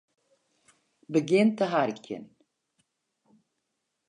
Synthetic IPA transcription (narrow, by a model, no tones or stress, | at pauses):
bəɡent̪əɦaɾkʰʲːə̰n